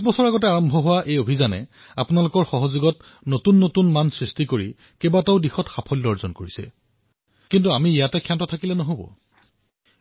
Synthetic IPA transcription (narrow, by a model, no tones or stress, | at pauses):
sbɔsɔɹaɡɔtɛaɹɔmbʱɔɦʊwaʔejobʱizanɛ̰ | apʊnalʊkɔɹxɔɦɔzoɡɔt | notunːotunmansɹistikoɹḭ | kebatɔʊdixɔtxapʰɔlːɔɹzɔnkoɹisɛ̰ | kintuamiːjatɛkʰjantɔtʰakilɛnɔɦobɔ̰